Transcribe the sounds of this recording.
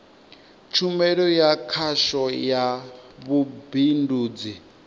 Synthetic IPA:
t͡ʃʰumɛɺɔjakʰaʃɔjaβubinduːd͡zi

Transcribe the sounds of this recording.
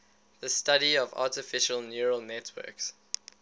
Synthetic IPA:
ðəstaɾiɔva̰ːˑtɪfɪʃəlˠnjuɹəlˠnɛtʰwɜ̰ˑks

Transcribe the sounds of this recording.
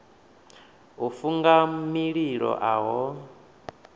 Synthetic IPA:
ufuŋɡamiɺiɺɔ̰ʔaɦɔ

